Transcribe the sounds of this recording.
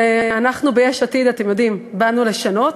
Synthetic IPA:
eanaχnubejeʃat̪id̪atemjo̞d̪imbanuleʃano̞t̪

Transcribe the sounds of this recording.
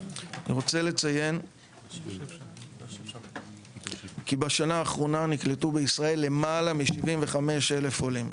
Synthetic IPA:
anḭʁo̞t͡sele̞t͡saje̞n | kibaʃanaːχʁo̞nanikletubeisʁae̞lːe̞malamiʃivimve̞χame̞ʃe̞lefolim

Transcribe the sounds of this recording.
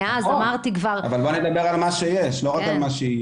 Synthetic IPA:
azamaʁt̪ikvaʁavalboned̪abe̞ʁalmaʃejeʃlo̞ʁakalmaʃei

